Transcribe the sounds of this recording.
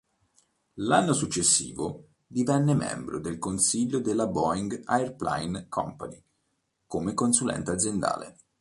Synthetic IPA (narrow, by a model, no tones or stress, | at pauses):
lanːosut͡ʃːesːḭːvo | d̪ivɛnːemɛ̰mbɾod̪elkonsiʎːod̪elːabɔiŋɡaerpla̰jnkʰɔ̰mpani | komekonsulɛ̰nt̪ead̪zjend̪a̰ːlḛ